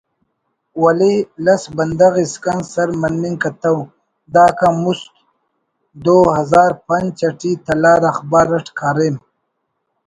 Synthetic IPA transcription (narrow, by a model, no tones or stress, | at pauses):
walelɐsbɐnd̪aɣiskansɐɾmɐnmiŋkat̪aw | d̪aːkamust̪ | d̪oːɦɐzaːɾpɐnt͡ʃaʈit̪ɐlaːɾɐχbaːɾɐʈkʰaːɾem